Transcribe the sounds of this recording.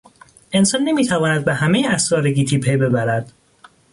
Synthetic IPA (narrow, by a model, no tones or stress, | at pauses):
ʔe̞nsɒːnːe̞miːt̪ʰævɒːnæd̪̚behæmejeæsɾɒːɾeɡiːt̪ʰiːpʰejbe̞bæɾæd̪̥